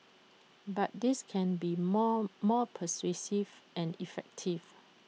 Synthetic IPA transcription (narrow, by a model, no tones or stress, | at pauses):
bat̚diskʰɛ̃nbiɔmɔpʰəswesivʔɛ̃nifɛk̚tʰiv